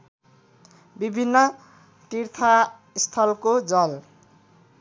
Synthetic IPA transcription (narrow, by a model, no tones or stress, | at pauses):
bibʱinːʌ | t̪irt̪ʰa | st̪ʰʌlkod͡zʌl